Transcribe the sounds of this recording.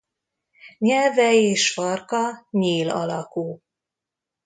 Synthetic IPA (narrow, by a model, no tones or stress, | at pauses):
ɲɛlvɛeːʃfɒrkɒɲeːlɒ̰lɒkuː